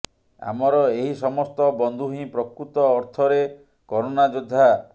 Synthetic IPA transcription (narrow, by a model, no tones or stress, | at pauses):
a̰mɔɾɔeɦisɔmɔst̪ɔbɔnd̪ʱuɦĩpɾɔkɾut̪ɔːɾt̪ʰɔɾe | kɔɾonad͡ʒod̪ʱːa